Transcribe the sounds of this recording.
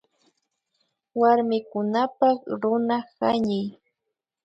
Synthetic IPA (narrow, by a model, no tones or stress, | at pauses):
waɾmɪkʊnapakɾʊnahaɲɪj